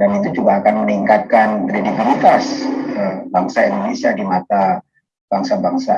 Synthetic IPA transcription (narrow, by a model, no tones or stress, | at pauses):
danit̪ud͡ʒuɡaːkanməniŋkat̪̚kanredib̪ilit̪asəbaŋsaindonesiadimat̪a | b̥aŋsabaŋsa